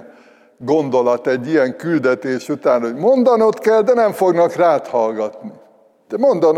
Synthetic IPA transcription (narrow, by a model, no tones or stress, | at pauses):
ɡo̞nd̪o̞lɒt̪ɛɟːijɛŋkyld̪ɛt̪eːʃut̪aːno̞ɟmo̞nd̪ɒnot̪kɛld̪ɛnɛɱfoɡnɒkraːt̪hɒlɡɒt̪ni | d̪̥ɛmo̞nd̪ɒn